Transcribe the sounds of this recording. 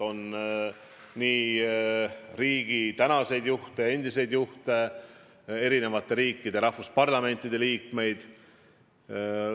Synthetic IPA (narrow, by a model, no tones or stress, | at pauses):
o̞n | niː | ɾiːɡ̥it̪ænɑse̞jd̪juht̪e̞e̞nʲd̪̥ise̞jd̪̥juht̪e̞ | e̞ɾine̞vɑt̪ːˑe̞ɾiːkːid̪̥e̞ɾɑhfuspɑrlɑme̞nʲt̪ːˑid̪̥e̞liːkme̞jd̪̥